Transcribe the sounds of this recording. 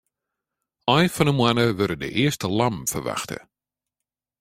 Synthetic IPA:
ʔɐjfɔnəmwanəvəɾədə̰ʔɪəstəlɐmfərva̰χtə̰

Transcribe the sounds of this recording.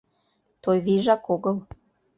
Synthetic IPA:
t̪ojβiʒɑkoɣəl

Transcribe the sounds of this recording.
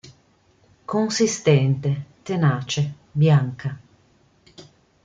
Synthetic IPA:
konsist̪ɛnt̪et̪enaːt͡ʃe | bjaŋka

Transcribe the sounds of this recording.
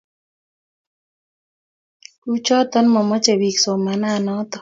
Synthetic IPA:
ut͡ʃɔt̪ɔnmɔmɔt͡ʃeβiksomananɔt̪ɔ

